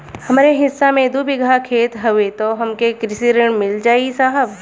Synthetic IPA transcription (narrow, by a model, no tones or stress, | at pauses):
hɐmːɾeɦɪsːamẽd̪ubɪɡʱakʰeːt̪ɦɐʋet̪oɦɐmkekɾɪsiɾɪɳ̃mɪld͡ʒaːisaːɦəb